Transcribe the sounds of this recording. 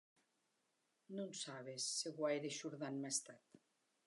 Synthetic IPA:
nunsaβesːeɣwajɾeʃuɾðanmest̪at̪

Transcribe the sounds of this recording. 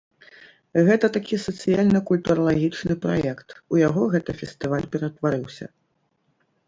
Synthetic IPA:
ɣɛt̪ɐt̪akʲisɐt̪sɨjalʲnɨkulʲt̪uɾɐlˠaɣʲit͡ʂnɨpɾajɛkt̪ujaɣɔɣɛt̪ɨfʲɛsʲt̪ɨvalʲpʲɛɾɐt̪vaɾɨwsʲɐ̰

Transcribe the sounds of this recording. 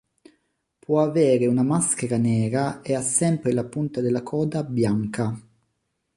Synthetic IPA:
pwɔavɛːɾeunamaskeɾanɛːɾaeasːɛmpɾelapunt̪ad̪elːakʰɔːd̪abjaŋka

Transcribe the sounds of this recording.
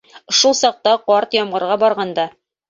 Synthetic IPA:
ʃulˠsɑq̚t̪ɑqɒɾt̪jɒmʁɤ̆ɾʁɑbɒɾʁɑnd̪ɑ

